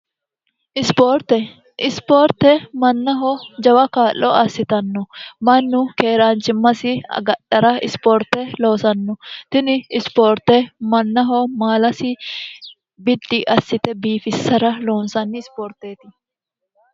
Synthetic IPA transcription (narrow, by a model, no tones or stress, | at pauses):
ʔɪspoːɾt̪ɛ | ʔɪspoːɾt̪ɛmɐnːɐɦɔd͡ʒɐwɐkaːʔːɔɐsːɪt̪ɐnːɔmɐnːʊkeːɾaːnt͡ʃɪmːɐsɪɐ̰ɡɐɗɐɾɐɪ̰spoːɾt̪ɛloːsɐnːɔt̪ɪnɪːspoːɾt̪ɛmɐnːɐɦɔmaːlɐsɪ | bɪdːiʔɐsːɪt̪ɛbiːfɪsːɐɾɐloːnsɐnːɪɪspoːɾt̪eːt̪ɪ